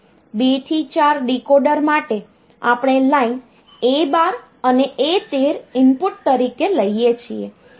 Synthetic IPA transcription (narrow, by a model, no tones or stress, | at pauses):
bet̪ʰit͡ʃaɾɖikoɖəɾmaʈe | a̰pɽ̃elain | ebaɾ | əneet̪eɾɪmpuʈ̚t̪əɾikeləiet͡ʃʰie